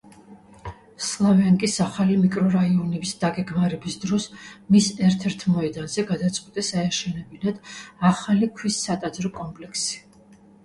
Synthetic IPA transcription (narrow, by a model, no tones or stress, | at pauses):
slˠavaŋkʼisaχalimikʼɾɔɾaiɔnɛbisd̪̥aɡɛɡmaɾɛbisd̪ɾɔsmisɛɾt̪ʰɛɾt̪ʰmɔɛd̪anzɛɡad̪at̪sʼqʼwit̪ʼɛsaɛʃɛnɛbinad̪̥aχalikʰwisːat̪ʼad̪zɾɔkʼɔmpʼlɛkʰsi̥